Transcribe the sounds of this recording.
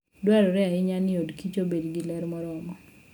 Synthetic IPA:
dwɛɾɔɾɛaɪɲanɪodkit͡ʃobedɡɪlɛɾmɔɾɔɔmɔ

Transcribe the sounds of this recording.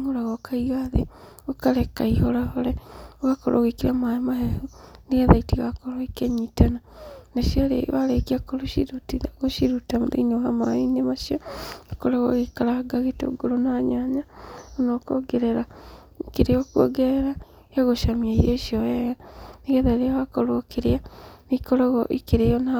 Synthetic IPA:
ŋoɾaɣokaiɣaðḛokaɾekaihoɾahoɾeɣakoɾʔo̰ɣekiɾamaimaɦehuniɣeðaitiɣakoɾoikeɲitananaʃialḛβaɾekiakoliɾtiaɣoʃiɾutamuðḛɲoɦamainemaʃioikoɾaɣoɣikalaaɡaɣeto̰ɡoɾonaɲaɲaonokoɡeɾeɾa | ikiɾejokuo̰ɡeɾeɾa | aɣoʃamiajoʃiojeɣaniɣeðaɾeaβakoɾokiɾianikoɾoɣɔʔḭkiɾejona

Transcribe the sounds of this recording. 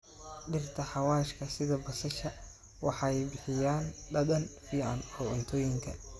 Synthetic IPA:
ɖɪrt̪ʰɐħɑwaːʃkʰɐsɪðɐbɐsɐʃɐ | wɑħɑɛjbɪħɪjaːnɖɐd̪ɐnfiːʕɑ̰nɔːʊnt̪ʰɔːjɪŋkʰɐ̰

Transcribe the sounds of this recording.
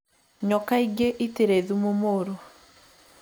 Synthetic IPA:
ɲɔkaiɡeʔiteɾeðumomoɾo

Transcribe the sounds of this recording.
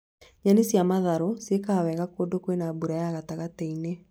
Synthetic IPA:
ɲanesjamaðaɾosjekawɛɣakodokwenabuɾajaɣataɣateine

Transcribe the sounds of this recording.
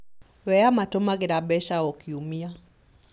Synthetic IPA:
wɛamatɔmaɡɛɾaɓɛʃaɔkiumia

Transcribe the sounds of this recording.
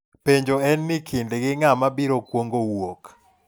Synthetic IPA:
peɲd͡ʒoɛnːɪkʰɪndeɡɪŋamabiɾokwoŋɡowok

